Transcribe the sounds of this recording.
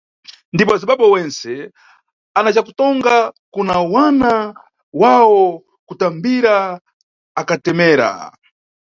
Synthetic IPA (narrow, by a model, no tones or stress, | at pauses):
ndip̬ɔaziɓaɓɔwɛnsɛ | anat͡ʃakutɔŋɡakunawana | wawɔ | kutambiɾaː | katɛmɛːɾa̰